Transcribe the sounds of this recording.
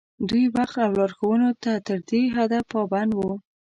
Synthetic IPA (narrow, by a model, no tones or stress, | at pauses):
d̪ujwaxt̪awlɑɾxowənot̪at̪əɾd̪eɦad̪afpːɑband̪wu